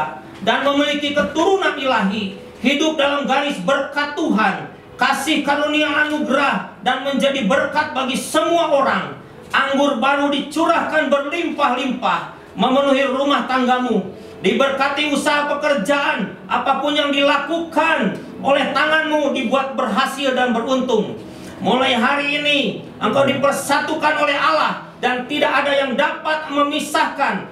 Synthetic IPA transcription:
danməmilikikət̪uɾunanilaɦi | hidʊp̚dalamɡaɪsbərkat̪ːuɦan | kasɪhkaɾuniaanuɡɾahdanməɲd͡ʒadibərkat̪̚baɡisəmuaʔoɾaŋ | ʔaŋɡʊrbaɾudit͡ʃuɾahkanbərlimpahlimpah | məmənuɦirumaht̪aŋɡamu | dibərkat̪iusaɦapəkərd͡ʒaʔːnʔapapʊnjaŋdilakukan | ʔolɛht̪aŋanmudibuat̪̚bərɦasɪldanbərunt̪ʊŋ | mulajɦaɾiːni | ʔəŋkawdipərsat̪ukanolɛɦalah | dant̪idakadajaŋdapat̪̚məmisahkan

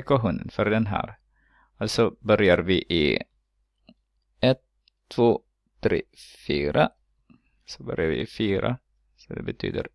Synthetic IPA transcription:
kɔɦuːnənfœɾd̪ɛnɦæ̰ːɾ | alsɔbœɾjaɾvɪʔɪ | ɛt̪ʰː | voː | t̪ʰɾeːfyːɾʔa | sɔbœɾɪjaɾvɪ̰ɪfyːɾa̰ | sɔd̪ɛ̰bɛt̪ʰy̰ːd̪əɾ

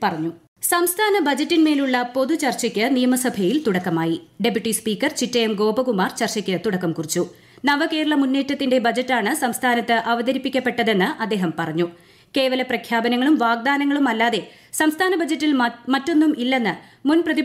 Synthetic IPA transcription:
pɐrɐɲːu | sɐmst̪ʰaːnɐbɐd͡ʑɐtːinme̞ːluɭːɐpo̞ðut͡ɕɐrt͡ɕɐkʲːɨnijɐmɐsɐbʱɐjilt̪uɽɐkːɐmaːjiɖe̞pjuʈːispiːkːɐrt͡ɕitːɐjemɡo̞ːbɐkumaːrt͡ɕɐrt͡ɕɐkʲːɨt̪uɽɐkːɐmkurit͡ɕːu | nɐʋɐke̞ːɾɐɭɐmunːe̞ːtːɐt̪ːinde̞bɐd͡ʑɐtːaːɳɨsɐmst̪ʰaːnɐt̪ːɨʔɐʋɐd̪ɐɾipːikʲːɐpːe̞ʈːɐðe̞nːɨʔɐd̪ːe̞ːɦɐmpɐrɐɲːu | ke̞ːʋɐlɐprɐkʰjaːbɐnɐŋːɐɭumʋaːɡ̚d̪aːnɐŋːɐɭumɐlːaːðe̞ | sɐmst̪ʰaːnɐbɐd͡ʑɐtːilmɐtːo̞nːumilːe̞nːɨmunprɐði

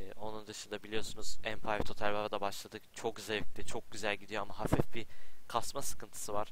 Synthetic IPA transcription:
o̞nund̪ɯʃɯnd̪abilʲijo̞sunuz̥ænpʰajvt̪ʰo̞t̪ʰælʲvaɾad̪abaʃlˠad̪ɯt͡ʃʰok̚zej̚t̪it͡ʃʰo̞k̚ɟyzælʲɟid̪ijo̞amaɦafifbikʰasmasɯ̥kɯnt̪ʰɯ̥sɯvaɾ̥

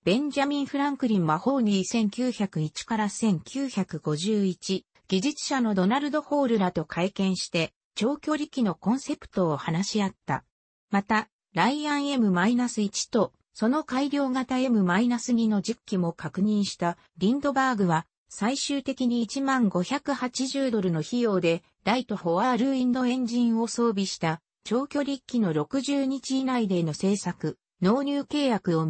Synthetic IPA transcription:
b̥ẽ̞ɲ̟d͡ʑamʲĩɰ̃ɸɯ̟ɾãŋkɯ̟ɾʲĩɰ̃βaho̞ːɲ̟isẽ̞ŋkʲɨːçakɯ̟it͡ɕi̥kaɾasẽ̞ŋkʲɨːçakɯ̟ɡo̞ʑɨːit͡ɕi | ɡ̥ʲiʑit͡sɨ̥ɕano̞d̪o̞naɾɯ̟d̪o̞ho̞ːɾɯ̟ɾat̪o̞kʰaikẽ̞ɰ̃ɕi̥t̪e̞ | t͡ɕo̞ːkʲo̞ːɾʲikʲːino̞kõ̞ɰ̃se̞pɯ̟̥t̪o̞ːhanaɕiat̪ːa̰ | mat̪a | ɾaiãɰ̃e̞mɯ̟mainasɨit͡ɕi̥t̪o̞ | so̞no̞kaiɾʲo̞ːɡat̪ae̞mɯ̟mainasɨɲ̟ino̞d͡ʑikʲːimo̞kakɯ̟ɲ̟ĩɰ̃ɕi̥t̪a | ɾʲĩnd̪o̞baːɡɯ̟βa | saiɕɨːt̪e̞kʲiɲ̟it͡ɕimãŋɡo̞çakɯ̟hat͡ɕiʑɨːd̪o̞ɾɯ̟no̞çijo̞ːd̪e̞ | ɾait̪o̞ho̞βaɾɯ̟ːĩnd̪o̞ẽ̞ɲ̟d͡ʑĩɰ̃o̞so̞ːbʲiɕi̥t̪a | t͡ɕo̞ːkʲoɾʲikʲːino̞ɾo̞kɯ̟ʑɨːɲ̟it͡ɕiːnaid̪e̞ːno̞se̞ːsakɯ̟ | no̞ːɾʲɨːke̞ːjakɯ̟o̞

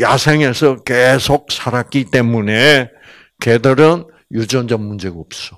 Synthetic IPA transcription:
jasʰeŋe̞sʰʌkesʰok̚sʰaɾak͈it͈e̞mune | kedʌɾɯn | jud͡ʑʌnd͡ʑʌmmund͡ʑe̞ɡaops͈o

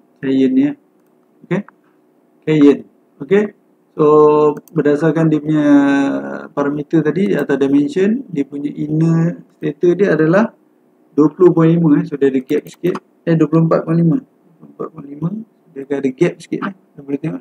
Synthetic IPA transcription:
kajəniə | oke | kajən | oke | sobədasarkandiəpuɲa | paɾamit̪ət̪adiat̪adamɛnʃəndiəpuɲaʔinəst̪et̪ədiəadalah | duəpəlopũlimə̃ɛsodaadəɡɛp̚skɪt̪̚ | aduəp̬lompat̪̚pũlimə̃duəplompa̰t̪̚pũlimə̃sudakaadəɡɛp̚skɪ̰t̪nahdabəlit̪iŋɔʔ

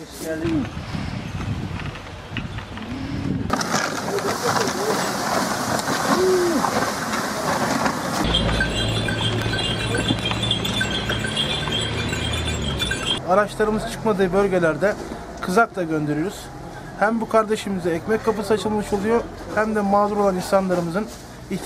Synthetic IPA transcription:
aɾat͡ʃlˠaɾɯmɯzɯt͡ʃʰɯ̥kmad̪ɯːbø̞lʲɟe̞lʲæɾd̪ɛ | kʰɯzak̚t̪ˠaɟønd̪eɾijoɾuz̥ | hæmbukʰaɾd̪e̞ʃɯmizɛɛcmɛc̚ʲkʰːapɯsɯat͡ʃʰɯlˠmɯʃo̞lˠujo | hæmd̪ɛmaːzuɾoaninsanlˠaɾɯmɯzɯn | i

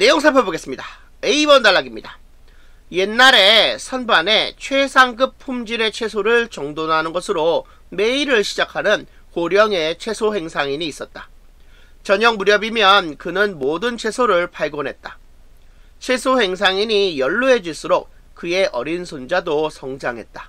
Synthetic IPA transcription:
ne̞joŋsʰapʰeboɡes͈ɯmɲida | e̞ibʌndaɭːaɡimɲida | je̞nːaɾe̞sʰʌnbane̞t͡ɕʰwe̞sʰaŋɡɯpʰumd͡ʑiɾe̞t͡ɕʰe̞sʰoɾɯɭt͡ɕʌŋdonɦanɯnɡʌsʰɯɾo | me̞iɾɯɭɕʰid͡ʑakʰanɯn | koɾjʌŋe̞t͡ɕʰwe̞sʰohe̞ŋsʰaŋiɲiːs͈ʌt̚t͈a | t͡ɕʌɲʌŋmuɾjʌbimjʌnkɯnɯnmodɯnt͡ɕʰe̞sʰoɾɯɭpʰaɭɡonɦe̞t̚t͈ḁ | t͡ɕʰe̞sʰohe̞ŋsʰaŋiɲijʌɭːuɦe̞d͡ʑiɭs͈ɯɾok̚ | k͈ɯe̞ʔʌ̰ɾinsʰond͡ʑadosʰʌŋd͡ʑaŋɦe̞t̚t͈ḁ

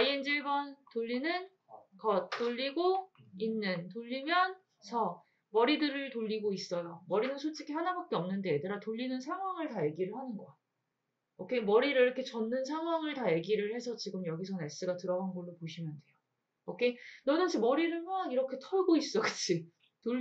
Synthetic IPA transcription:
aiend͡ʑiɭbʌntoʎːinɯn | kʌt͈ːoʎːiɡoinːɯntoʎːimjʌn | sʰʌ | mʌɾidɯɾɯɭtoʎːiɡois͈ʌjomʌɾinɯnsʰot͡ɕʰikʰihanabak̚k͈eʌmnɯnde̞edɯɾatoʎːinɯnsʰaŋɦwaŋɯɭtaje̞ɡiɾɯɭhanɯnɡʌ | ʌkʰe̞mʌɾiɾɯiɾʌkʰe̞t͡ɕʌnːɯns̬ʰaŋɦwaŋɯɭtaje̞ɡiɾɯɭhe̞sʰʌt͡ɕiɡɯmjʌɡisʰʌne̞s͈ɯɡatɯɾʌɡanɡʌɭːopoɕʰimjʌndwe̞jo | ʌkʰenʌnɯd͡ʑʰimʌɾiɾɯɭmoaniɾʌkʰe̞tʰʌɭɡois͈ʌɡɯ̥t͡ɕʰi | to

